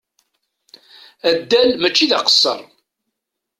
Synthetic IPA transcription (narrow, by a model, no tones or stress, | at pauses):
æd̪ːælmæt͡ʃːiðaqə̥sːə̰ɾˤ